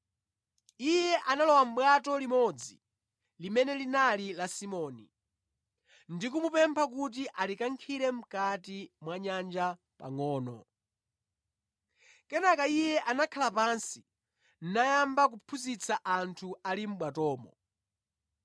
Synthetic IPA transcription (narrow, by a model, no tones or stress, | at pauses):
ijɛʔanalɔwam̩ɓwatɔlimɔd͡zi | limɛnɛlinalilasimɔːni | ndikumupɛmpʰak̬ut̬iʔalikaŋkʰiɾɛm̩katimwaɲand͡ʒa | pa̰ŋɔːnɔ̰ | kɛnakaijɛʔanakʰalapansi | n̩najambak̬upʰuzit͡sʰaʔantʰualim̩ɓwatɔːmɔ̰